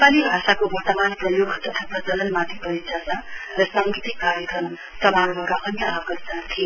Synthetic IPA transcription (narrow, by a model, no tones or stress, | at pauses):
palibʱasakobʌrt̪ʌmanprʌjoɡt̪ʌt̪ʰap̪ad͡zʌlʌnmad̪ʱipʌɾit͡saarʌsʌŋɡit̪ikːaɾjʌkrʌm | sʌbaɾbʌɾʌkʌnʌabɡʌrd͡zant̪ʰi